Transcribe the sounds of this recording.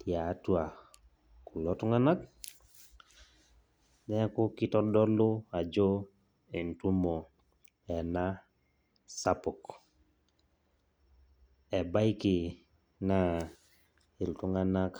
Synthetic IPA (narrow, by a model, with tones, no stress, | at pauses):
tja˨˦twa˨ | ku˨lɔ˦tu˦ŋa˦na˦k̚ | nɛ˦a˦ku˦ki˦tɔ˦dɔ˦lʊ˦a˨d͡ʒo˦ | e˨ntu˦mo˨ | ɛ˨na˦ | sa˦pɔ˨k | ɛ˨ba˦i˦ki˨ | na˨ | i˨ltu˦ŋa˦na˦k